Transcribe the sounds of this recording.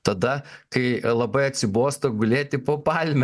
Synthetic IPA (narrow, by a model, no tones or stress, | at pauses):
t̪ɐd̪ɐkɐɪlˠɐbɐɪɐt̪ʲsʲɪboːst̪ɐɡʊlʲeːt̪ʲɪpoːpɑlʲmʲ